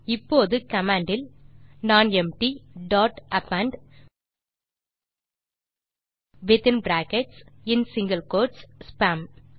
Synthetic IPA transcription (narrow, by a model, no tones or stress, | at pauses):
ɪpːoːðɯkɐmaːɳɖɪlnaːnɛmʈiɖaːʈɐpɐɳɖ | ʋɪt̪ɪnbɾaːkɛʈsɪnsɪŋɡɐlkoːʈsspaːm